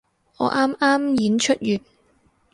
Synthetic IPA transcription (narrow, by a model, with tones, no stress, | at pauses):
ŋɔ̰ː˨˧˥ʔaː˥maː˥mjiː˨˥nt͡ʃʰɵ˥t̚jyː˨˩t̚